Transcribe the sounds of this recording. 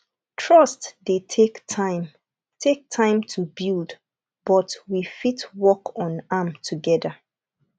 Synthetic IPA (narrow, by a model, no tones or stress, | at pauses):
tʰɹʌstdetʰektʰãɪ̃m | tʰek̚tʰãɪ̃mtʰubild | b̥ɔtwifitwɔkʰɔ̃nãmtʰuɡɛdə